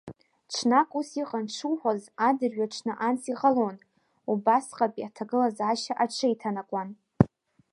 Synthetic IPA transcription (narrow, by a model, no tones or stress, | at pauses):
ʈ͡ʂʰnakʼusiqʼanʈ͡ʂʰuwħʷazadɨrɥaʈ͡ʂʰnɨʔansiqʼalon | ubasqʼapʼiatʰaɡɨlazaʃaʔaʈ͡ʂʰɨitʰanakʷʼan